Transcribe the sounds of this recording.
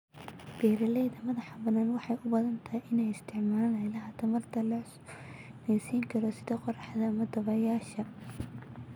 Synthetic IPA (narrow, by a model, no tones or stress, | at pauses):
b̥ɛːɾɐlɛːðɐmɐðɐħɑbɐnaːnwɑħɑjʔʊbɐðɐnt̪ʰɐhiʔɪnɛjɪst̪ʰɪʕmaːlɐnɐjlɐɦɐt̪ʰɐmɐrt̪ʰɐlɐ | nɛjsiːŋkʰɐɾɔsɪðɔqɔrɑħðɐːmɐd̪ɐβɐjaːʃɐ